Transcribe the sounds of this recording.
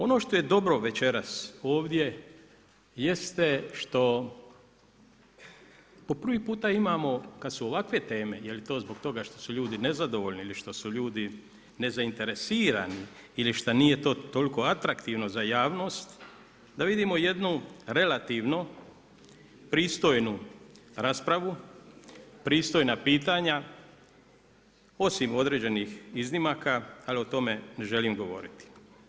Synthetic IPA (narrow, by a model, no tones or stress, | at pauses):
o̞no̞ːʃt̪o̞je̞d̪o̞bɾo̞ʋe̞t͡ʃe̞ɾaso̞ːʋd̪je̞ | je̞st̪eʃt̪o̞ | po̞pr̩ʋipuːt̪aimamo̞kad̪suoʋakʋe̞t̪e̞ːme̞je̞lit̪o̞ːzbo̞ɡt̪o̞ɡaʃt̪o̞suʎuːd̪ine̞zad̪o̞ʋoʎniiliʃt̪o̞suʎuːd̪i | ne̞zaint̪e̞ɾe̞siːɾaniiliʃt̪anije̞t̪o̞ːt̪o̞lko̞at̪ɾakt̪iʋno̞zajaːʋno̞ːst̪ | d̪aʋid̪imo̞je̞d̪nuɾe̞lat̪iʋnu | pɾiːst̪o̞jnuɾaːspɾaʋu | pɾiːst̪o̞jnapiːt̪aɲa | o̞simo̞d̪ɾe̞ːd͡ʑe̞nixiznimakaalio̞t̪o̞me̞ne̞ʒe̞limɡo̞ʋo̞̰ɾit̪i̥